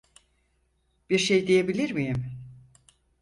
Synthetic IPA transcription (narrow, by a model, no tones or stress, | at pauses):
b̥iɾʃejd̪ijebilʲiɾmijim